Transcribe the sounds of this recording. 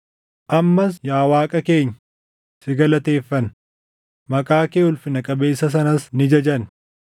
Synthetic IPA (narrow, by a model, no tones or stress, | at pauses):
ʔɐmːɐsjaːwaːkʼɐke̞ːɲː | sɪɡɐlɐt̪e̞ːfːɐn | mɐkʼaːkeːʊlfɪnɐkʼɐbe̞ːsːɐs̬ɐnɐsnɪd͡ʒɐd͡ʒɐn